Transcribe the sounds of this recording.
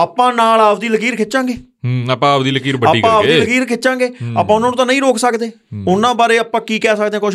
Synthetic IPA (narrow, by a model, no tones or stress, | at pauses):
aːpãːnaːlaːʋd̪iːləkiːɾkʰɪt͡ʃãːŋɡeː | ɦaːpãːaːʋd̪iːləkiːɾbəaːiːpãːʋ̪iːləkiːɾkʰɪt͡ʃãːŋɡeːa̰pãːʊnãːnũːt̪ãːnəĩːɾoːksəkd̪eː | ʊnãːbaːɾeːəpãːkiːkɛːsəkd̪ẽɛ̃ːkoʃ